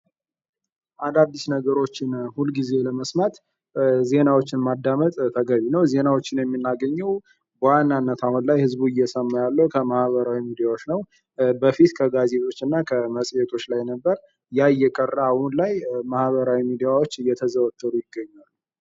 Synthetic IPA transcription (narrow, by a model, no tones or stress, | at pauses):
ʔand̪ad̪ːisnəɡəɾo̞t͡ʃːɪnhulɡize̞ləməsmat̪ | ze̞nawo̞t͡ʃːɪnmad̪ːamət̪ʼt̪ʰəɡəβinəwze̞nawo̞t͡ʃːɪnjɛmːinːaɡəɲːɛw | bəwanːanːət̪ʰahunlajhɨzbuɨjːɛsəmːajalːəwkʰəmahβəɾawimid̪ijawot͡ʃːnəw | bəfit̪kʰəɡaze̞t̪ʼo̞t͡ʃːɨnːakʰəməsʼjɛt̪ʰo̞t͡ʃːlajnəbːəɾ | jaɨjːɛkʼərːaːhunlajmahβəɾawimid̪ijawo̞t͡ʃːɨjːɛt̪ʰəzəwət̪ʰːəɾujɪɡːəɲːalː